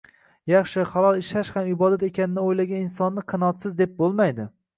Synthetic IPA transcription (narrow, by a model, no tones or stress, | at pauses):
jɑχʃɪχalˠɒlˠɪʃaʃhamɪbɒd̪at̪e̞kʲanɪnɪojlaɡʲaninsɒnːɪqʰɨnɒt̪sɪzd̪ep̚bolˠmajd̪ɪ